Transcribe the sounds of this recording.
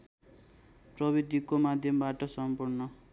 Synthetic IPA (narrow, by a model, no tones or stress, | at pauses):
prʌβid̪ʱikomad̪ʱjʌmbaʈʌsʌmpurnʌ